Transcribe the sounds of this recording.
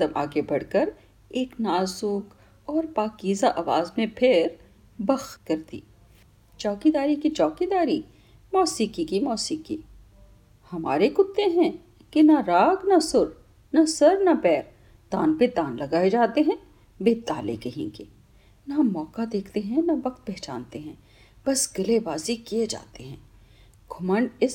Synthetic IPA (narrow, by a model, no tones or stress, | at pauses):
t̪ɐbʔa̰ːɡebɐɽkəɾ | eːknaːzʊk | ɔːɾpaːkiːzaʔaʋaːzmẽpʰɪɾ | bɐxt̪̚kɐɾt̪ḭː | t͡ʃɔːkid̪aːɾikit͡ʃɔːkid̪aːɾi | mɔːsikikimɔːsiːki | hɐma̰ːɾekʊt̪ːeɦɛ̃ | kenɐɾaːɡnɐsʊɾ | nɐsɐɾnɐpɛːɾ | d̪ãːnped̪ãːnlɐɡaːed͡ʒaːt̪eɦɛ̃ː | beːt̪a̰ːlḛkɐɦḛ̃ːɡeː | namɔːkad̪eːkʰt̪eɦɛ̃nɐʋɐkt̪̚bɛɦt͡ʃa̰ːnt̪eɦɛ̃ː | b̥ɐsɡɪlebaːzikied͡ʒa̰ːt̪eɦɛ̃ː | ɡʱʊməɳɖɪs